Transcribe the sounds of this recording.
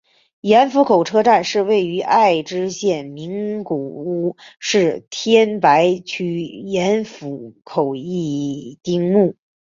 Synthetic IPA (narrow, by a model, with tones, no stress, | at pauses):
jɛ˧˥nfu˧˥kʰo˨˩ʊʈ͡ʂʰɤ˥ʈ͡ʂa˥˧nʂɻ̩˥˧we˥˩ɪy˧˥ʔa˥˧ɪʈ͡ʂɻ̩˥ɕjɛ˥˩nmi˧˥ŋku˨˩u˥ʂɻ̩˥˩t̪ʰjɛ˥npa˧˥ɪt͡ɕʰy˥˨˩jɛ˧˥nfu˧˥kʰo˨˩ʊi˥˩t̪i˥ŋmu˥˩